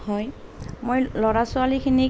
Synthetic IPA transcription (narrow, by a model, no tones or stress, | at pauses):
hɔjmojlɔɹasʊalikʰini